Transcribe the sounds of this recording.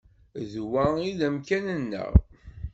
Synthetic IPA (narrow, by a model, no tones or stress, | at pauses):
ðwæiðəmkænənːə̰ʁ